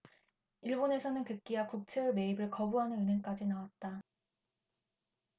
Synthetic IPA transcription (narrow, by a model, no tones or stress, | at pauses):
iɭbone̞sʰʌnɯnkɯk͈iakuk̚t͡ɕʰeɯme̞ibɯɭkʌbuɦanɯnɯnɯŋk͈ad͡ʑinawat̚t͈a